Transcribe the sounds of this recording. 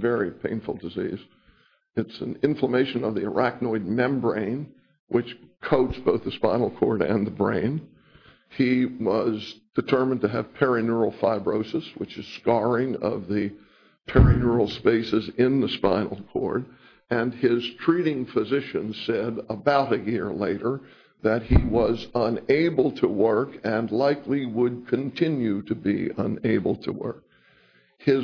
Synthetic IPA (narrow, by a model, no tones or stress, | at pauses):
vɛɹipʰḛ̃ɪ̃nfl̩ˠdɨzḭz̥ | ɨtsn̩ɪ̃ɱfləmeɪʃɨ̃nʌvðiə̰˞ʔæk̚nɔɪd̚mɛ̃mbɹḛ̃ɪ̃n | wʔɨt͡ʃkʰoʊtsb̥oʊθðəspãɪ̃nl̩ˠkʰɔ̰ɹɾɨ̰̃nðəbɹḛ̃ɪ̃n | iwʌzd̥ɨtʰɜ˞mɨ̃ntɨːv̥pʰɛɹɨnə˞l̩ˠfaɪbɹoʊsɨswɨt͡ʃɨz̥skɑɹɪ̃ŋʌ̰vðɨ | pʰɛɹɨnəɹl̩ˠspeɪsɨzɪ̃nðəspã̰ɪ̃nl̩ˠkʰɔ̰ɹɾ | ɨ̃nɪz̥tʰɹ̥iɾɪ̃ŋfɨzɪʃɨ̃nsɛɾəbaʊɾɨjɪɹleɪɾə˞ | ðɨt̚hiwʌzə̃neɪbl̩ˠtʰəwɜ˞kɨ̃nlaɪkliwəd̚kʰɨ̃ntʰɪ̃njʉɾɨbḭə̃neɪbl̩ˠtʰə̰wɜ̰˞k̚ | hɪz